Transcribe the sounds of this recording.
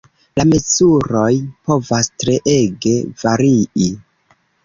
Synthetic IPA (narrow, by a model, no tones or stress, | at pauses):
lamezuɾo̞jpo̞vastɾe̞ʔe̞ɡe̞vaɾii